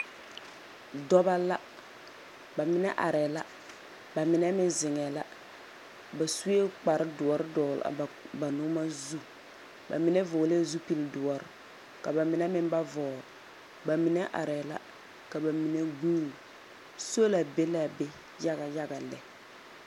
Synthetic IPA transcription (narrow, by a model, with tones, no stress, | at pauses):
dɔ˦ba˦la˦ | ba˨mɪ˨nɛ˦ʔa̰˨ɾɛ˨la˦ | ba˨mɪ˨nɛ˦mɪ˦nzɪ˨ŋɛ˨la˦ | ba˨su˦e˦k͡pa˨ɾɪ˦dʊ˨ɔ˨ɾɪ˦dɔː˨la̰˨ba˨nʊ˦ma˦zu˦ | ba̰˨mɪ˨nɛ˦vʊː˨˦le˦zu˦pi˦ldʊ˨ɔ˨ɾɪ˨ | ka˨ba˨mɪ˨nɛ˦mɪ˦nba˦vɔː˨l | ba˨mɪ˨nɛ˦ʔa̰˨ɾɛ˨la̰˦ | ka˨ba˨mi˨nɛ˦ɡuː˦l | so˦la˨be˦la˦be˦ | ja˦ɣa˨ja˦ɡa˨lɛ˦